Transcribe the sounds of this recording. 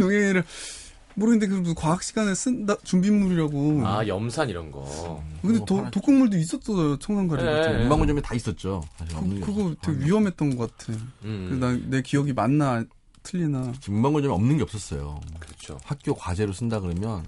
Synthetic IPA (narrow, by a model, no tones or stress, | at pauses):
jʌŋeɾɯɭ | moɾɯnindek̬ɯukwaɦak̚ɕ͈iɡanes͈ɯndat͡ɕumbinmuɾiɾaɡoa̰jʌmsʰaniɾʌnɡʌ̰kɯndetʌtok͈ʰɯnmuɭdois̬͈ʌt̚s͈ʌs͈ʌjot͡ɕʰʌŋsʰaŋɡad͡ʑiɡmbaŋud͡ʑʌmetais͈ʌt̚t͡ɕ͈osʰaɕʰinkɯɡoteɡeɥiɦʌmɦe̞t̚t͈ʌnɡʌk͈atʰeɯenane̞kiʌɡimanːa | tʰɯʎːinaɯt͡ɕʰimumbaŋuɭd͡ʑʌmiʌmnɯnɡe̞ʌp̚s͈ʌs͈ʌ̰jo̰kɯɯt͡ɕʰo̰hak̚k͈jokwad͡ʑe̞ɾos͈ʰɯndaɡɯɾɯmjʌn